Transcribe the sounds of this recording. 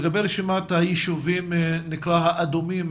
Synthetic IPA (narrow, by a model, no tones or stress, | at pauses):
ɡabejɾeʃimat̪hajiʃuvimnikɾahaʔad̪umim